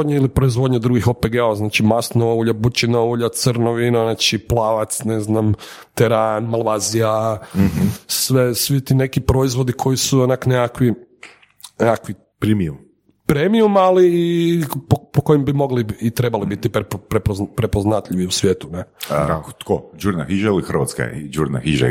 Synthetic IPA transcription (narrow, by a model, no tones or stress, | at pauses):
d̪ɲeilipɾo̞izʋo̞d̪ɲed̪ɾuɡixopeɡeoznat͡ʃimast̪noauʎabut͡ʃinauʎat̪səɾnoʋinonat͡ʃiplaːʋat̪sneznam | t̪ɛɾaːnmalˠʋaːzija | sʋesʋit̪inekipɾoizʋo̞d̪ikʰo̞jisuonaknekakʋi | neakʋi | pɾemium | pɾemiumaliːpopokojimbimo̞ɡliːt̪ɾe̞balibit̪ippɾeppɾepoznat̪ʎʲiʋiusʋjeːt̪uneakt̪ko̰d͡ʒuɾnaxiʒailixr̩ʋa̰t̪ska̰d͡ʒuɾna̰hiʒa̰